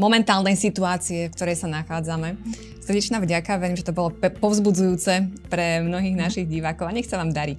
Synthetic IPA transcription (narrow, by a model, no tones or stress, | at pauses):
mɔmɛnt̪aːlˠnɛjsit̪uaːt͡siɛfkt̪ɔɾɛjsanaxaːd͡zamɛ | sr̩ɟɛt͡ʃnaːvɟakaʋɛɾiːmʒɛt̪ɔbɔlɔpɔʊzbud͡zujuːt͡sɛpɾɛmnɔɦiːɣnaʃiɣɟiʋaːkɔʊaɲɛxt͡saʋaːmd̪aɾi